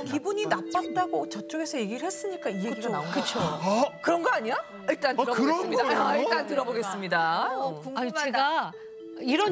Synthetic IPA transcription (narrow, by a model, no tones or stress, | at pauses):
kibuɲinap̚p͈at̚t͈aɡot͡ɕʌt͡ɕ͈oɡe̞sʰʌje̞ɡiɾɯɭhe̞s͈ɯɲik͈aiet͡ɕonaoɯt͡ɕʰokɯɾʌnɡʌaɲija | iɭt͈antɾʌɯɾidaiɭt͈antɯɾʌboɡe̞s͈ɯmɲidauaieɡa | iɾʌ